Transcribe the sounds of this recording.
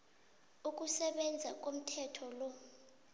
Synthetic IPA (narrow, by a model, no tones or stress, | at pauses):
uk̬ʼusɛɓɛnd͡zʱak̬ʼom̩tʰɛtʰɔlɔ